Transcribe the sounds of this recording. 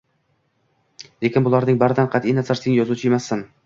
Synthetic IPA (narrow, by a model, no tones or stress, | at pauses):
lekʲɪnbʊlˠaɾnɪŋbaɾɪd̪anqʰɑt̪ʔinazaɾseŋjɒzut͡ʃʰɪemasːɪn